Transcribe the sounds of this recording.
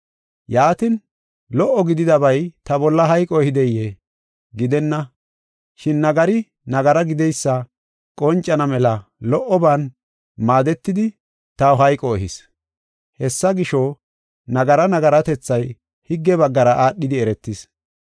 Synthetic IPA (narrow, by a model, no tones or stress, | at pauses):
jaːt̪ɪn | lɔʔːɔɡɪd̪ɪd̪ɐbɐjt̪ɐbɔlːɐɦɐjkʼɔɛhɪd̪ɛjːe | ɡɪd̪ɛnːɐ | ʃɪnːɐɡɐɾɪ | nɐɡɐɾɐɡɪd̪ɛjsːɐ | kʼɔnt͡ʃʼːɐnɐmɛlɐlɔʔːɔban | maːd̪ɛt̪ːɪd̪ɪ | t̪ɐwɦɐjkʼɔɛɦɪs | hɛsːɐɡɪʃo | nɐɡɐɾɐnɐɡɐɾɐt̪ɛt͡sːɐj | hɪɡːɛbɐɡːɐɾɐʔaːɗːɪd̪ɪɛɾɛt̪ːɪs